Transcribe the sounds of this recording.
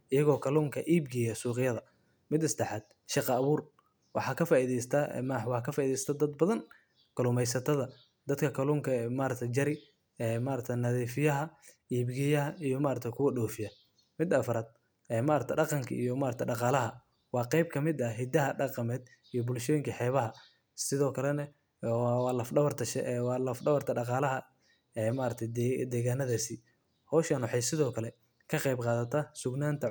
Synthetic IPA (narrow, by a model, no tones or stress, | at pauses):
ʔɪjɐɣɔːkʰɐluːŋkʰɐʔiːbɡɛjɐsuːqɪjɐðɐ | mɪd̪ɪsd̪ɛħɑːd̪̥̚ | ʃɑqɑːβuːr | wɑħɑːkʰɐfaːiðɛjst̪ʰɐ̰mwħɑkʰɐfaːiðɛjsɐ̥t̪ʰɐd̪ɐd̪bɐðɐn | kɐlʊmɛjsɐt̪ʰɐðɐ | d̪̥ɐd̪kʰɐkʰɐluːŋkʰɐmaːɾɐt̪ʰɐt͡ʃɐɾɪ | ɛːmaːɾɐt̪ʰɐnɐðiːfɪjɐɦɐ | iːbɡɛjɐɦɐʔijɔmaːɾɐt̪ʰɐjkʰʊwɐɖɔːfɪjɐ | mɪd̪ɐfɐɾaːd̪̚ | ɛːmaːɾɐkt̪ʰɖɑqɑŋkʰɐ̰ʔḭjɔmaːɾɐt̪ʰɐɖɑqɑːlɐɦɐ | wɑːqɛjb̚kʰɐmɪd̪ɐɦɪd̪ɐɦɐɖɑqɑmɛːd̪ | ijɔbʊlʃɔːjɪŋkʰɐħɛːβɐɦɐ | sɪðɔːkʰɐlɛnɐ | wɑːlɐfɖɐβɐrt̪ʰɐʃɛ̰ʔwɑːlɐfɖɐβɐrt̪ʰɐɖɑqɑːlɐɦɐ | ɛːmaːɾɐt̪ʰɐd̪ɛːɣaːnɐðaːsɪ | hɔːwʃɐnwɑħɑjsɪðɔːkʰɐlɛ | kʰɐqɛjbqɑːðɐt̪ʰɐsʊɡnaːnt̪ʰɐ